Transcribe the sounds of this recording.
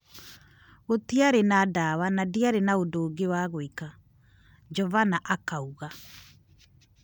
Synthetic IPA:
ɣotiaɾenadawanadiaɾenaodoːɡewaːɣoika | d͡ʒɔvanaʔakauɣa

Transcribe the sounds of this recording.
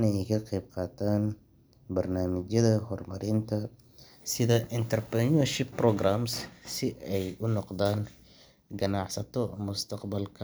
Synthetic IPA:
nɛɛjkʰɐqɛjb̚qɑːt̪ʰaːn | bɐrnaːmɪt͡ʃjɐðɐhɔrmɐɾɪnt̪ʰɐ | sɪðɐʔɪnt̪ʰɐrpɐnuɐrʃɪpːrɔɡraːmssɪʔɛjʊnɔqd̪aːn | ɡɐnɑʕsɐt̪ʰɔmʊst̪ʰɐqbɐlkʰɐ

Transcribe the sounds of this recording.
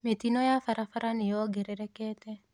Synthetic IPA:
met̪inojafaɾafaɾʔanɪjɔɡɛɾɛɾɛkɛt̪ɛ

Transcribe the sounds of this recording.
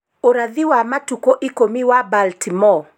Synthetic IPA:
oɾaðiwamatukɔʔikɔmiwabaltimɔ

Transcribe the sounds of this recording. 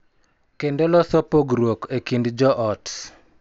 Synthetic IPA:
kendolɔsɔpoɡɾwokekindd͡ʒɔʔɔt

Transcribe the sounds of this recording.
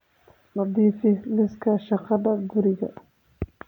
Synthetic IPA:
nɑd̪iːfɪlɪskʰɐʃɑqɑd̪ɐɡʊɾɪɣɐ̰

